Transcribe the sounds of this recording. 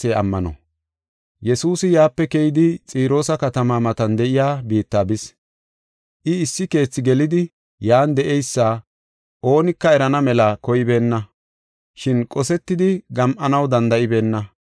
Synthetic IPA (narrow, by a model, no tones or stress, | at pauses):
eɐmːɐnɔ̰ | jɛsuːsɪjaːpːɛkɛjɪd̪ɪt͡sʼiːɾo̞ːsɐkɐt̪ɐmaːmɐt̪ɐnd̪ɛʔɪjaːbiːt̪ːaːbɪs | ʔɪɪsːɪke̞ːt͡sːɪɡɛlɪd̪ɪ | jaːnd̪ɛʔɛjsːaː | ʔo̞ːnɪkːɐɛɾɐnɐmɛlɐkɔjɪbe̞ːnːɐ | ʃɪnkʼɔsɛt̪ːɪd̪ɪɡɐmʔɐnɐwd̪ɐnd̪ɐʔɪbe̞ːnːɐ